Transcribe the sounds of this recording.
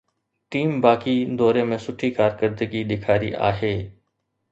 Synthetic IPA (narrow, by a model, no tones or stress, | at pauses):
ʈiːmbaːkid̪ɔːɾemẽsʊʈʰːikaːɾkəɾd̪əɡiɗ̪ɪkʰaːɾḭʔa̰ːɦeː